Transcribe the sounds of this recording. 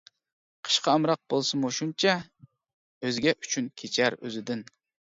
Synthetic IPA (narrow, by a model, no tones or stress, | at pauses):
qʰə̥ʃqɑːmɾɑq̚b̥olˠsɨmoʃunt͡ʃʰɛ | øzɡʲɛʔy̥t͡ʃʰynkʲʰet͡ʃʰæɾø̰zɪd̪ɪn